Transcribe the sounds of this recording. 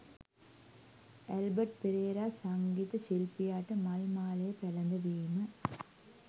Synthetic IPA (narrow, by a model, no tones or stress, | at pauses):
ɛlbɐʈ̚pɪɾeːɾaːsɐŋɡiːt̪ɐsɪlpɪjaːʈːɐmɐlmaːlɐjɐpɛlɐnd̪ɐʋiːmɐ